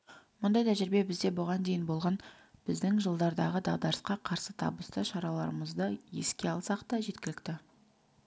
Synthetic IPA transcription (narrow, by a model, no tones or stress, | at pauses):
mʊnd̪ɑjt̪ʰæʒɪɾbe̞bɪzd̪e̞bʊʁɑnd̪e̞jɪnbo̞lˠʁɑn | b̥ɪzd̪ɪŋʒəlˠd̪ɑɾd̪ɑʁəd̪ɑʁd̪ɑɾəsqɑqʰɑɾsət̪ʰɑ̰bəst̪əʃɑɾɑlˠɑ̰ɾəməzd̪əje̞̰skʲe̞ɑlˠsɑqt̪ɑʒe̞t̪kʲɪlɪk̚t̪ɪ